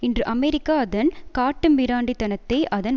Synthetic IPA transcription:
ɪndrɯʔɐmɛɾɪkːaːɐðɐnkaːʈːɯmbɪɾaːɳɖit̪ːɐnɐt̪ːɐɪʔɐðɐn

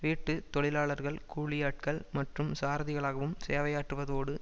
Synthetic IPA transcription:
ʋiːʈːɯt̪ɔɭɪlaːɭɐɾɣɐɭkuːɭɪjaːʈ̚kɐɭmɐʈrɯmsaːɾɐðɪɣɐɭaːɣɐʋɯmseːʋɐjaːʈːrɯʋɐðoːɽɯ

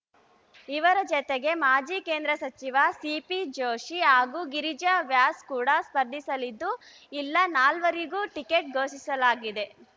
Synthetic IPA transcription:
iʋɐɾɐd͡ʒɔt̪eɡe̞maːd͡ʒiːke̞ːnd̪ɾɐsɐt͡ʃiʋɐsiːpid͡ʒoːʃiɦaːɡuːɡiɾid͡ʒɐʋjaːskuːɽɐspɐɾd̪ʱisɐlid̪ːu | ilːɐnaːlʋɐɾiɡuːʈikeʈ̚ɡoːsisɐlaːɡid̪e̞

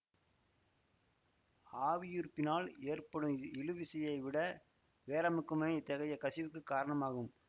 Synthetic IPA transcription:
aːʋɪjʊɾpːɪnaːleːrpɐɽɯmɪɻɯʋɪsɐjɐɪʋɪɽɐ | ʋeːlɐmɯkːɯmɐt̪ːɐɣɐjɐkɐsɪʋɯkːɯkːaːɾɐɳɐmaːɣɯm

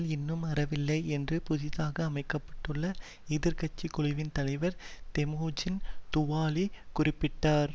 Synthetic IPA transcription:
lɪnːɯmɐɾɐʋɪlːɐɪɛndrɯpʊðɪðaːɣɐːmɐɪkːɐpːɐ̥ʈːɯɭːɐ | ɪðɪɾkɐt͡ʃːikʊɭɪʋɪnt̪ɐlɐɪʋɐɾt̪ɛmoːd͡ʒɪnt̪ʊʋaːlikʊrɪpːɪʈːaːɾ

